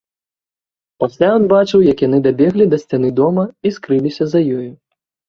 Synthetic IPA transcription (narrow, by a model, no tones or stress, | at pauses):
pasʲlʲajɔnbat͡ʂɨwjɐkjan̪ɨd̪abʲɛɣlʲid̪ɐsʲt͡sʲanɨd̪ɔmɐiskɾɨlʲisʲɐzɐjɔju